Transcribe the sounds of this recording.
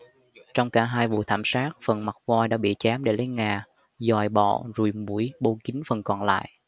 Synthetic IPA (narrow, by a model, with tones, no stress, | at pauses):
t͡ɕɔ˧wŋ͡mkaː˧˩ɦaː˧jvṵ˧˨t̪ʰaː˧˩msaː˦˥t̚fə˨˩nma˨˩t̚vwaː˧jɗa̰ː˧˥ɓḭ˧˨t͡ɕaː˨˦mɗe˧˩lə˨˦jŋaː˨˩ | zɔ˨˩jɓɔ̰˧˨zu˧˩mu˧˩əjɓo˧kï˨˦ŋfə˨˩nkɔ˨˩nla̰ː˧˨jʔ